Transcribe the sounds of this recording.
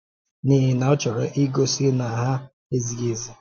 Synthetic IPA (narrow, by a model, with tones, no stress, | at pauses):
ni˦ɦɪ˦na˨ʊ˦t͡ʃɔ˨ɾʊ˨ʔi˦ɡo˦si˦na˨ɦa˦ | e˦zi˨ɡe˨zi˨